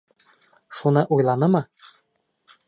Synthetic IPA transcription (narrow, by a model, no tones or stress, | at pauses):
ʃunɤʔujlˠɑnɤmɤ